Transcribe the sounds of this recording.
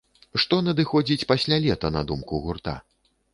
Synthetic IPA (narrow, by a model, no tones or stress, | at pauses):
ʂt̪ɔnɐd̪ɨxɔd͡zʲit͡sʲpasʲlʲalʲɛt̪ɐnɐ̰d̪umkuɣurt̪a̰